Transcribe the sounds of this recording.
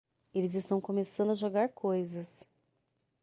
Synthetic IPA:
elɪzɪst̪ɐ̃w̃komesɐ̃nd̪ʊɐʒoɡaɾkʰojzɐs

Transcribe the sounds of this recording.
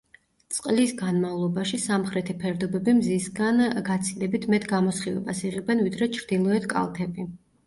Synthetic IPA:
t̪sʼqʼlisɡanmavlˠɔbaʃisamχɾɛt̪ʰipʰɛɾd̪ɔbɛbimzisɡanɡat̪sʰilɛbit̪ʰmɛt̪ʰɡamɔsχivɛ̰basiʁɛbɛnvid̪ɾɛt͡ʃʰɾd̪ilˠɔɛt̪ʰkʼa̰lˠt̪ʰɛbi

